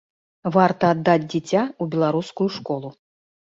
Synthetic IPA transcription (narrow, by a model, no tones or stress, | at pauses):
vart̪ɐːd̪ːad͡zʲd͡zʲit͡sʲaubʲɛlˠaɾuskujuʂkɔlˠu